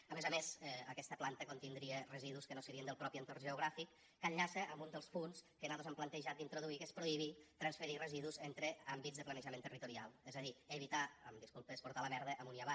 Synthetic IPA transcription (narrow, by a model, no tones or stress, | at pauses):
əmezəmezəkɛst̪əplant̪əkont̪ind̪ɾierəziðuskənosəɾiənd̪əlˠpɾɔpiənt̪orʒəuɣ̞ɾafikː | əʎʎasəʔəmbund̪əlˠspunskənaðozamplənt̪əʒat̪d̪int̪ɾoðuikəspɾoiβ̞it̪ɾənsfəɾirəziðuzent̪ɾəambidd͡zðəplənəʒəment̪ərit̪uɾia̰lˠɛzəðieβit̪aəmd̪iskulˠpəspuɾt̪aləmɛɾð̞əʔəmuniaβa